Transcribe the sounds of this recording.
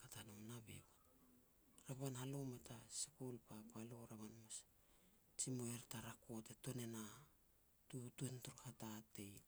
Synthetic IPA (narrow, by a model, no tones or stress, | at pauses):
katanomnabḛwa | ɾaβanhalometasekolpapaloɾaβanmas | t͡ʃimoeɾtaɾako̞teto̞ne̞na | tutuentoɾhatate̞j